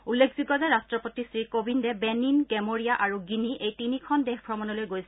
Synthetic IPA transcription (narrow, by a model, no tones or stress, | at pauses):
ulːekʰziɡɔzɛɹastɹɔpotisɹikobindɛbeninkɛmoɹijaʔaɹuɡiniʔejtinikʰɔndɛxpʰɹɔmɔnɔlojɡojsɛ